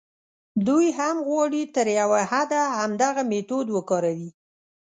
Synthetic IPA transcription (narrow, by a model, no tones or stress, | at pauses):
d̪ujɦamɣwɑɽit̪əɾjawahad̪ahamd̪aɣamet̪od̪wəkɑɾawi